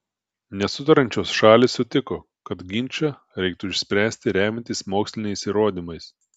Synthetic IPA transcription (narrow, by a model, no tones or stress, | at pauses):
nʲɛsʊt̪ɐɾɐnʲt͡ʃʲoːsʃɑːlʲɪsʊt̪ʲɪkoː | kɐt̪ɡʲɪnʲt͡ʃʲɐ | ɾʲɛɪk̚t̪ʊɪʃʲsʲpʲɾʲæːsʲt̪ʲɪɾʲæːmʲɛnʲt̪ʲiːsmoːksʲlʲɪnʲɛɪsiːɾoːd̪ʲimɐɪs